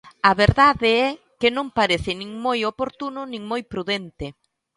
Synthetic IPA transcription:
ɐβeɾðaðɪɛ | kɪnõŋpaɾeθɪnĩŋmojopoɾt̪unʊnĩŋmojpɾuðent̪ɪ

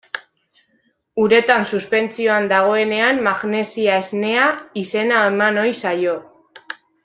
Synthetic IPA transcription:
uɾe̞t̪ansuspe̞nt͡sio̞and̪aɣ̞o̞e̞ne̞anmaɣne̞siae̞zne̞aise̞naemano̞jsajo̞

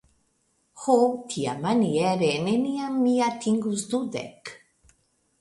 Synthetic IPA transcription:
xot̪ʰia̰maniɛɾeneniamːiat̪ʰiŋɡuzd̪ud̪ɛ̰k

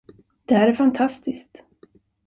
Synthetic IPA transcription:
d̪̥ɛhæːɾæɾfant̪ʰast̪ɪskt̪

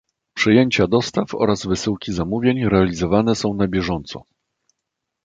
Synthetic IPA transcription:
pʂɘjeɲt͡ɕad̪ɔst̪afɔ̰ɾazvɘsɘwkʲizamuvʲjeɲɾɛalʲizɔvanɛsɔ̃w̃nabʲjɛʐɔnt̪sɔ̰

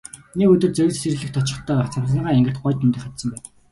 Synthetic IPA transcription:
nekɵt̪ɵ̆r̚t͡sœw̆ʲse̥s̆rɘ̆ɮɘ̆kt̪ʰɔt͡ɕɪ̆χt̪ʰœːaːχt͡sʰarsăːʁaːiŋɡɘ̆rt̪̚ɢɔjt̪int̪ĭχat̪sə̆mpæːn

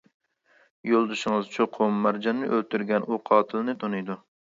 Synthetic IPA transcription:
jolˠd̪ɨʃɪŋɨzt͡ʃʰoqʰʊmːæɾd͡ʒɑnːɨʔølt̪ʰyɾɡʲɛnʔuqʰɑːt̪ʰɨlˠɨnɨt̪ʰonɨjd̪u

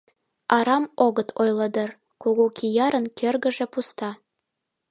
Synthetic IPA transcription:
ɑɾɑmoɣət̪ʰojləd̪ɤ̆r | kuɣokʰijɑɾə̆nkʰørɣə̆ʒĕpust̪ɑ

